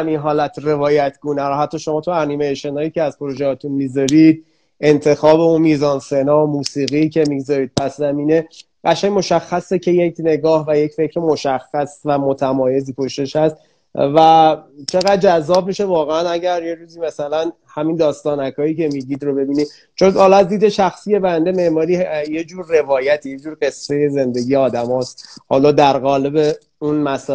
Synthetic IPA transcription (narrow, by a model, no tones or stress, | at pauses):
æminɦɒːlæt̪ʰre̞vɒːjæt̪ʰɡunæɾoɦæt̪ʰːɒːʃo̞mɒːt̪ʰuænimejʃo̞nhɒːjiːcʰeæzpʰoɾo̞ʒehɒːt̪ʰunmizɒɾid̪̚ | e̞nt̪ʰe̞xɒːbe̞unmiːzɒːnse̞nɒːmuːsiːɣicʰe̞miɡzɒɾiːd̪̚pʰæszæmiːne̞ | ɢæʃæŋmo̞ʃæxːæse̞cʰe̞je̞cʰne̞ɡɒːhvæje̞cfe̞cʰɾemo̞ʃæxːæsvæmo̞t̪ʰæmɒːje̞ziːpʰo̞ʃt̪e̞ʃhæst̪ | væt͡ʃʰe̞ɣæd̪̚d͡ʒæzːɒːb̚miʃe̞vɒːɣeænæɟæɾje̞ɾuːziːmæsælæn | hæmind̪ɒːst̪ɒːnækʰɒːhiːcʰe̞miɟid̪ɾo̞be̞biːnid̪ | t͡ʃʰonhɒːlɒæzd̪iːd̪e̞ʃæxsiːje̞bænd̪e̞me̞ʔmɒːɾiːje̞d͡ʒuːɾːe̞vɒːjæt̪ʰijed͡ʒuːɾɡe̞sːe̞je̞ze̞nd̪e̞ɟijeɒːd̪æmɒːst̪hɒːlɒːd̪æɾɣɒːle̞be | unmæs